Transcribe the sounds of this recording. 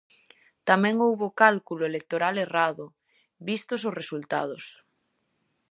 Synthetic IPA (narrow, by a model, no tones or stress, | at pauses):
t̪amɛ̃ŋowβokalkulʊelek̚t̪oɾaleraðʊ | βist̪ʊsʊsresult̪a̰ð̞ʊs